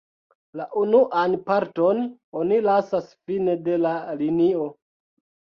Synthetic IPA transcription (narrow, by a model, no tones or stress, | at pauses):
laʔunuʔanpaɾto̞nonilasasfine̞de̞lalinio̞